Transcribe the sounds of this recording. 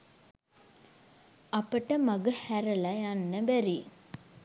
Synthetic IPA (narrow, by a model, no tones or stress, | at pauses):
ɐpəʈəmɐɡuhæɾɐlɐjanːəbæɾi